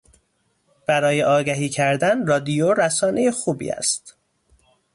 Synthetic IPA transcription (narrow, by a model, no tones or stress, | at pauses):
b̥æɾɒːjeʔɒːɡæɦiːcʰæɾd̪ænrɒːd̪ijoɾæsɒːne̞jexuːbḭːæ̰st̪